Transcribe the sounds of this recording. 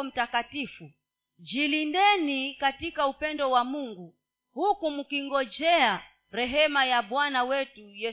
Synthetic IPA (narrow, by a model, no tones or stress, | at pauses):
m̩takatifu | d͡ʒilindɛnikatikaupɛndɔwamuŋɡu | hukumukiŋɡɔd͡ʒɛa | ɾɛɦɛmajaɓwanawɛtujɛ